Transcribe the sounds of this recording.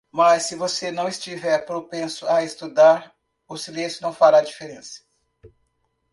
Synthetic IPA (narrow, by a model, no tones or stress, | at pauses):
mɐsːɪvosenɐ̃w̃ɪst͡ʃivɛɾpɾopẽsʊaest̪ud̪aɾ | ʊsilẽsjʊnɐ̃w̃faɾad͡ʒifeɾẽsɐ̥